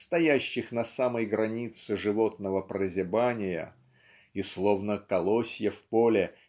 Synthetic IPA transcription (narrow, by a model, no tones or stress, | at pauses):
st̪ɐjæɕːɪxnɐsaməjɡɾɐnʲit̪sɨʐɨvo̞t̪nəvəpɾəzʲɪbanʲɪjə̰ | islˠo̞vnəkɐlˠosʲjəfpolʲɪ